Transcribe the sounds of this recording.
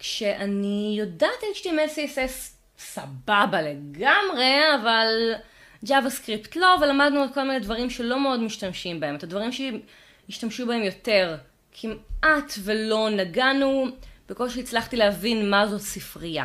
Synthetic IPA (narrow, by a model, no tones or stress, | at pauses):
kʃe̞ʔanijodaːtimʃtimesises | sababale̞ɡamʁe̞aval | d͡ʒavaskʁiptlo̞velamadnualko̞lminedvɐʁimʃe̞lo̞meo̞dmiʃtamʃimbaemot̪advaʁimʃe | jiʃtamʃubae̞mjo̞te̞ʁ | kʰimatvelo̞naɡanub̥ekolʃeit͡slaχtilehavinmazo̞tsifʁija̰